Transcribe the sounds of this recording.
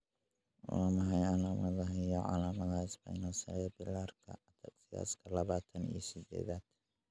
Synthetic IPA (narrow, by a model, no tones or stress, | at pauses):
waːmɐɦɐjalaːmɐðɐɦɛjɐʕɑ̰laːmɐðaːsbɐ̰ɪnɔːsɐ̰lɛbɪlaːrkʰɐ̰t̪ʰɐqsɪja̰ːskʰɐlɐβaːt̪ʰɐnḭjɔsɪd̪ɛ̰ːðaːd̪̥